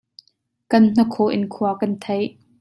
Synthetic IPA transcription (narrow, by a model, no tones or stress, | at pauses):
kɐnn̥əkʰoʔɪ̰nkʰuɐkɐnt̪ʰejʔ